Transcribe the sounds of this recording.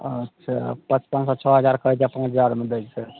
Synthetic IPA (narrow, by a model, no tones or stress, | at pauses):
ətːʃʰapə̃t͡ʃpãnd͡ʒsɔt͡ʃʰɔɦəd͡ʒaɾkəd͡ʒapãt͡ʃʰəd͡ʒaɾmed̪əd͡ʒt͡ʃʰe